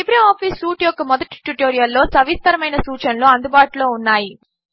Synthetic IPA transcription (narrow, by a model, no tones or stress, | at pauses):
ibɾɐmaːpʰisːuːʈjɔkːɐmɔd̪ɐʈi̥ʈuʈoːɾijɐlːo̞ːsɐʋist̪ɐɾɐmɐjnɐsuːt͡ʃɐnloːɐnd̪ubaːʈulo̞ːunːaːji